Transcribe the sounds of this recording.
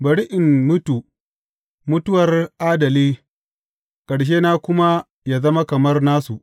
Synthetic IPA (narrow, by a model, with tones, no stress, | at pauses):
bɐ˨ɽi˦ʔɪ˨mːʊ˦tuː˨ | mʊ˦tʊ˦wɐ˨rʔaː˦dɐ˨liː˦ | kʼɐ˨ɽʃ̬eː˦naː˦kʷʊ˦ma˦ | jaː˦zɐ˦ma˦kɐ˨mɐ˦rnaː˦su˨ʔ